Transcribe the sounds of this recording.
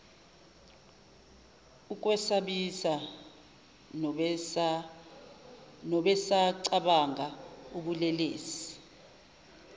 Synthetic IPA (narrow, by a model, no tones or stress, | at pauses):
ukʼwɛsaɓisa | nɔɓɛsaǀaɓaŋauɓulɛleːsi̥